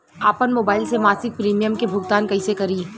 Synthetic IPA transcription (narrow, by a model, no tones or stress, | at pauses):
aːpənmoːbaːɪlsemaːsɪk̚pɾiːmijəmkebʱʊɡt̪aːnkɐisekɐɾiː